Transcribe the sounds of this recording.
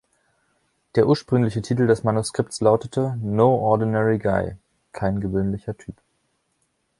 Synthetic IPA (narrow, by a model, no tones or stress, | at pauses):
d̥eːɐʔuːɐʃpʁ̥ʏŋlɪçətʰiːtl̩dɛsmanuskʁ̥ɪp̚tslaʊtətʰənoːʔɔɐdinɛʁiɡaɪ | kʰaɪnɡəvøːnlɪçɐtʰyːp